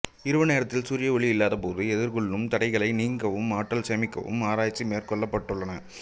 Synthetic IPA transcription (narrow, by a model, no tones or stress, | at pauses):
ɪɾɯʋɐneːɾɐt̪ːɪlsuːɾɪjɐɔɭiɪlːaːðɐpoːðɯɛðɪɾɣʊɭːɯmt̪ɐɽɐɪɣɐɭɐɪniːŋɡɐʋɯmaːʈːɐlsɛmɪkːɐ̰ʋɯ̰maːɾaːjt͡ʃːimeːɾkɔɭːɐpːɐʈːɯɭːɐnɐ